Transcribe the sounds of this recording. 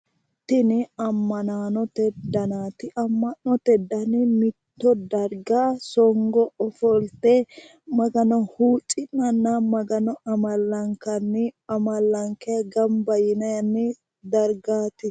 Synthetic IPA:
t̪ɪnɪɐmːɐnaːnɔt̪ɛd̪ɐnaːt̪ɪʔɐmːɐnːɔt̪ɛd̪ɐnɪmɪt̪ːɔd̪ɐɾɡaːsɔŋɡɔɔfɔlt̪e | mɐɡɐnɔhuːt͡ʃʼɪnːɐnːamɐɡɐnɔʔɐmɐlːɐŋkɐnːɪɐmɐlːɐŋkɛɐɡɐmbɐjɪnɐjɐnːɪ | d̪ɐɾɡaːt̪ɪ

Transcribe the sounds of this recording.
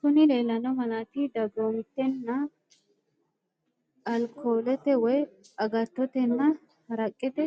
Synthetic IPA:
kʊnɪle̞ːlɐnɔmɐnaːt̪ɪd̪ɐɡoːmɪt̪ːɛnːɐ | ɐlkʰoːlɛt̪ɛwɔjɐɡɐt̪ːɔt̪ɛnːɐ | hɐɾɐkʼːɛt̪ɛ

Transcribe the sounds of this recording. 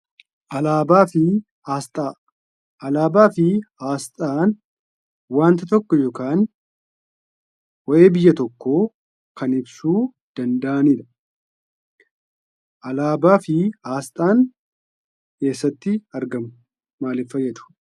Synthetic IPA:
ʔɐlaːbaːfɪ | st̪ | ɐlaːbaːfɪaːst̪ʼaːn | waːnt̪ɐt̪ɔkːɔjoːkaːn | wɔʔe̞ːbɪjːɐt̪ɔkːoː | kɐnɪbsuː | d̪̥ɐnd̪ɐʔɐniːd̪ɐ̥ | ʔɐlaːbaːfɪaːst̪ʼaːn | ke̞ːsːɐt̪ːɪɐɾɡɐmʊ | maːlɪfːɐjːɛd̪ʊ̥

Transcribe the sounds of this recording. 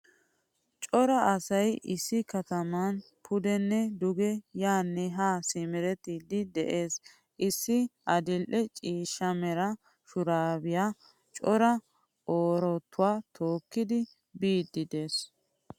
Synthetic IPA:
t͡ʃʼɔɾɐʔɐsɐjʔɪsːɪkɐt̪ɐmɐn | pʰʊd̪ɛnːɛd̪ʊɡɛjaːnːɛɦaːsɪmɪɾɛt̪iːd̪ɪd̪ɛʔe̞ːs | ʔɪsːɪʔɐd̪ɪlʔɛt͡ʃʼiːʃːɐmɛɾɐ | ʃʊɾaːbɪjaː | t͡ʃʼɔɾɐ | ʔoːɾɔt̪ʰːʊwaːt̪ʰo̞ːkːɪd̪ɪ | biːd̪ːɪd̪e̞ːs

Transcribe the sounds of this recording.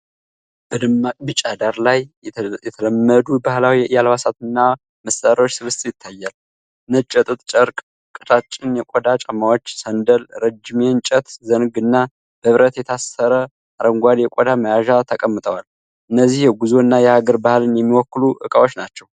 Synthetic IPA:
b̥əd̪ɨmabɨt͡ʃʼad̪aɾlajjɛt̪ʰələmːəd̪ubahlawijɛʔɨjalβasat̪ɨnːa | məsaɾawot͡ʃːsɨβɨst̪ʼjɪt̪ʰːajːal | ɨnət͡ʃʼɛt̪ʼɨt̪ʼt͡ʃʼəɾkʼ | kʼɨt̪at͡ʃʼːɪnjɛkʼod̪at͡ʃʼəmːawo̞t͡ʃːsənd̪əlɾəd͡ʒɪment͡ʃʼət̪zənɡɨnːa | b̥əβɾət̪jɛt̪ʰasːəɾə | ʔaɾəŋɡʷad̪jɛkʼod̪aməjaʒat̪ʰəkʼəmːɨt̪ʼəwal | ʔɨnːəzːihjɛɡuzoɨnːajɛhaɡəɾbahlɨnjɛmːiwɔkːɨluʔɨkʼawot͡ʃːnat͡ʃːɛw

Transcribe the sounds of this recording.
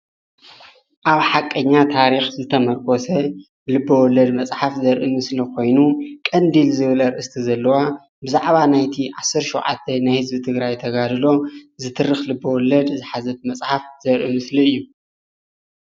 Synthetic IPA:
ʔaβħakʼːɐɲːat̪ʰaɾixzɨt̪ʰɐmɐɾkʼosɐ | lɨbːɐwɔlːɐd̪mɐsʼħafzɐɾʔimɨslikʰo̞jnukʼɐnd̪ilzɨβlɐɾʔɨst̪ʰizɐlːɐwa | bɨzaʕβanajt̪ʰiʕasɨɾʃɛwʕa̰t̪ʰːɐnajhɨzbit̪ʰɨɡɾajt̪ʰɐɡad̪ɨlo̞zɨt̪ʰɨrɨxlɨbːɐwɔlːɐd̪zɨħazɐt̪mɐt͡sʼħafzɐɾʔimɨsliɨjːu

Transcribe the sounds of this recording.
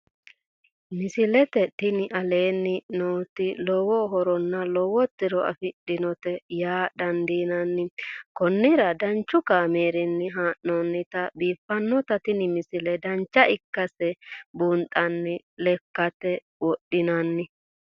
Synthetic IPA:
mɪsɪlɛt̪ɛt̪ɪnɪʔɐle̞ːnːɪnoːt̪ɪlɔwɔɦɔɾɔnːɐlɔwɔt̪ːɪɾɔɐ̰fɪɗɪnɔt̪ɛjaːd̪ɐnd̪iːnɐnːɪkɔnːɪɾɐd̪ɐnt͡ʃːʊkaːmeːɾɛnːɪɦaːʔːɔnːɪt̪ɐbiːfːɐnːɔt̪ɐt̪ɪnɪmɪsɪlɛd̪ɐnt͡ʃːɐʔɪkːɐsɛbuːnt̪ʼːɐnːɪ | lɛkːɐt̪ɛ | wɔɗːɪnɐnːɪ

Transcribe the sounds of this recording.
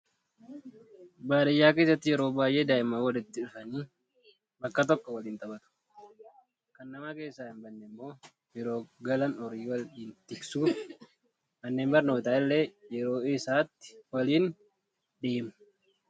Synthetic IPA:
baːdɐjːaːke̞ːsːɐt̪ːɪjɛɾo̞ːbaːjʔeːd̪aːʔɪmaːwɐlɪt̪ːɪᶑʊfɐniː | bɐkːɐt̪ɔkːɔwɐliːnt̪ɐbɐt̪ʊ̥ | kɐnːɐmaːke̞ːsːaːɪmbɐnːɛmːo̞ː | jɛɾo̞ːɡɐlɐnɔɾiːwɐliːnt̪ɪksuː | mɐnːeːmbɐɾno̞ːt̪aːɪlːeːjɛɾo̞ːɪsaːt̪ːɪ̥wɐliːn | d̪eːmʊ̥

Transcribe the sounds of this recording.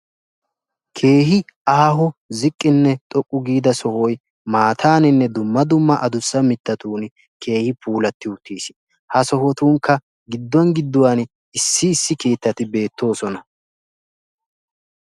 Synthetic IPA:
kʰe̞ːɦɪaːɦɔzɪkʼːɪnːɛt̪ʼɔkʼːʊɡiːd̪ɐsɔhɔj | maːt̪ʰaːnɪnːɛd̪ʊmːɐd̪ʊmːɐʔɐd̪ʊsːɐmɪt̪ːɐt̪uːn | ke̞ːhɪpʰuːlɐt̪ːɪʊt̪ːiːs | hɐsɔhɔt̪uːŋkːɐ | ɡɪd̪ːɔnɡɪd̪ːʊwan | ɪsːɪːsːɪke̞ːt̪ːɐt̪ɪbe̞ːt̪ːo̞ːsɔnɐ

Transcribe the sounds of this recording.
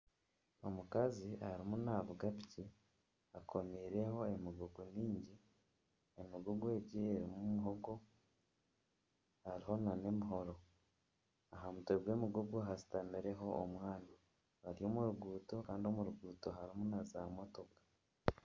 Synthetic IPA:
omukazihaɾimunaβuɡapi̥ci | akʰo̞miɾe̞ho̞e̞miɡuɡumiːɲɟi | emiɡuɡweːɟieɾimumiɦoɡo | haɾiɦo̞nane̞miɦo̞ɾo̞ | aɦamuteɡwe̞ːmiɡuɡuɦasi̥tamiɾe̞ɦo̞ːmwaːna | βaɾijo̞muɾuɡuːto̞kaːndio̞muɾuɡuːto̞ɦaɾimunaza̰mo̞to̞kḁ

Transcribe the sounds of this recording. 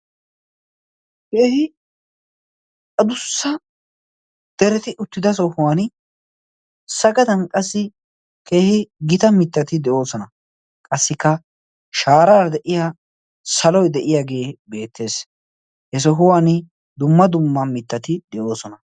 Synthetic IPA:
keːhɪ | ɐd̪ʊsːɐ | d̪̥ɛɾɛt̪ɪʔʊt̪ːɪd̪ɐs̬ɔhʊwan | sɐɡɐd̪ɐnkʼɐsːɪ | ke̞ːhɪɡɪt̪ɐmɪt̪ːɐt̪ɪd̪ɛʔo̞ːsɔnɐ | kʼɐsːɪkːɐ | ʃaːɾaːd̪ɛʔɪja | sɐlɔjd̪ɛʔɪjaːɡe̞ːbe̞ːt̪ʰːe̞ːs | hɛs̬ɔɦʊwanɪ | d̪ʊmːɐd̪ʊmːɐmɪt̪ːɐt̪ɪd̪ɛʔo̞ːsɔnɐ

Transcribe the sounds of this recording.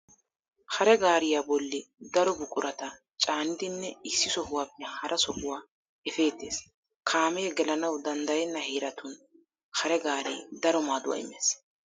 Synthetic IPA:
hɐɾɛɡaːɾɪjaːbɔlːɪd̪ɐɾɔbʊkʼʊɾɐt̪ɐ | t͡ʃʼaːnɪd̪ɪnːɛɪsːɪsɔhʊwaːpːɛhɐɾʔɐsɔhʊwaː | ɛfe̞ːt̪ːḛːs | kʰaːmeːɡɛlɐnɐwd̪ɐnd̪ɐjɛnːɐheːɾɐt̪ʊn | hɐɾɛɡaːɾiːd̪ɐɾɔmaːd̪ʊwa̰ːɪ̰mːḛːs

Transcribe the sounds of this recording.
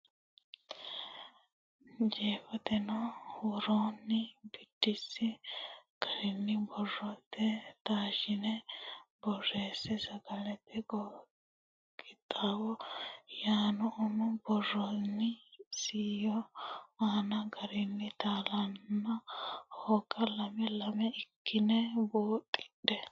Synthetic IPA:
d͡ʒeːfɔt̪ɛnɔwɔɾoːnːɪbɪd̥ːɪsːɪɡ̥ɐɾɪnːɪbɔrːɔt̪ːɛt̪aːʃɪnɛbɔrːeːsɛsɐɡɐlɛt̪ʰːɛɡɔ | ɡɪt̪ʼːaːwɔjaːnɔʔʊnʊbɔrːɔnːɪsiːjɔaːnɐɡɐɾɪnːɪt̪aːlɐnːɐhokʼːɐlɐmɛlɐmɛɪkːɪnɛboːt̪ʼːɪ̥ᶑɛ

